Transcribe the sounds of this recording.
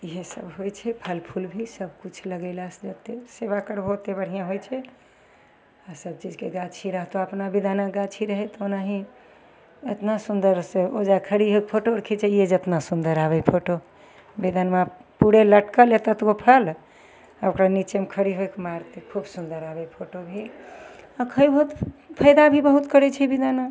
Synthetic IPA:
iɦesəbɦojt͡ʃʰɛpʰəlpʰulbʱisəbʱkut͡ʃʰləɡəɪlasd͡ʒət̪eseβakəɾbʱot̪ebəɽ̤ijãɦojt͡ʃʰɛ | asəb̚t͡ʃid͡ʒkeɡat͡ʃʰiɾəɦt̪oəpnabid̪ʱanaɡat͡ʃʰiɾəɦɛt̪onaɦĩ | et̪nasund̪əɾseod͡ʒakʰəɽiɦokpʰoʈoɾəkʰit͡ʃʰɛjed͡ʒət̪nasund̪əɾaβɛpʰoʈo | bid̪ʱanmapuɽeləʈkəlet̪ət̪opʰəl | aokɾanit͡ʃemekʰəɽiɦoekmaɾt̪ekʰubsund̪əɾabɛpʰoʈobʱe | akʰəjbʱout̪pʰəjd̪abʱibəɦut̪kəɾɛt͡ʃʰɛbid̪ana

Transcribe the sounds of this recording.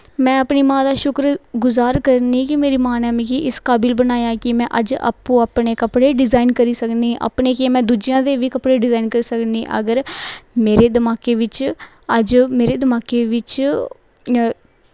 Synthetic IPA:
mɛ̃ːəpniːmãːd̪aːʃʊkɾɡʊzaːɾkəɾniːkɪmeːɾiːmaːnaːmĩːkiʔɪskaːbɪlbənaːjãːkɪmɛ̃ːʔəd͡ʒa̰ːpũːaːpɳeːkəpɽeːɖɪzaːɪnkəɾiːsəkniːʔa̰ːpɳeːkemɛ̃ːd̪uːd͡ʒijãːd̪eːʋiːkəpɽeːɖɪzaːinkəɾiːsəkniːʔə̰ɡəɾmeːɾeːd̪əmaːkeːʋɪt͡ʃ | əd͡ʒmeːɾeːd̪əmaːkeːʋɪt͡ʃ

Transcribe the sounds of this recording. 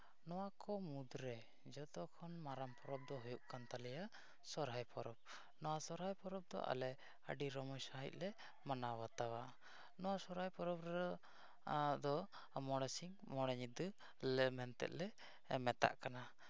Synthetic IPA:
nɔwakɔmud̪ɾɛ | d͡ʒɔt̪ɔkʰɔnmaɾampʰɔɾɔb̚d̪ɔɦujuʔkant̪alɛja | sɔɾɦajpɔɾɔb̚ | nɔwasɔɾɦajpɔɾɔb̚d̪ɔ̰ʔa̰lɛ | ə̰ɖiɾɔmɔjsaɦḭc̪̚ˀlɛ | manawat̪awa | nɔwasɔɾɦajpɔɾɔbɾ | d̪ɔ | mɔɽɛsiŋ | mɔɽɛɲit̪ː | lɛmɛnt̪ɛ̰ʔ̪lɛ | mɛt̪a̰ʔkana

